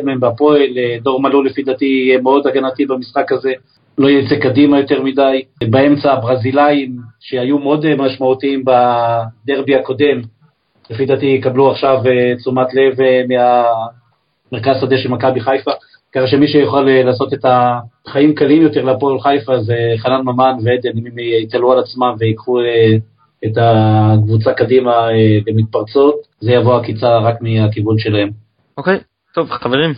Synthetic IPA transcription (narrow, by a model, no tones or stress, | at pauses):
dmeembapo̞eld̪o̞ʁmalulefid̪at̪ijɛmeo̞d̪aɡanat̪ibamisχakaze̞ | lo̞jet͡sekad̪imajo̞t̪e̞ʁmid̪ajbae̞mt͡saːbʁazilaimʃe̞hajumeo̞d̪maʃmaut̪iimbad̪eʁbiako̞d̪e̞m | lefid̪at̪ijɛkabluaχʃavet͡sumat̪le̞vmea | meʁkazsad̪eʃelmakabiχajfa | kaχaʃemiʃejoχalelaːso̞t̪e̞taχaimkalimjo̞te̞ʁleapolχajfazeχananmamanveed̪enimimit̪alualat͡smamve̞ikχue | etakvut͡sakadimalemit̪̚paʁt͡sot̪zejavoakit͡saʁakmiakibulʃe̞lahe̞m | okej | t̪ovχaveʁim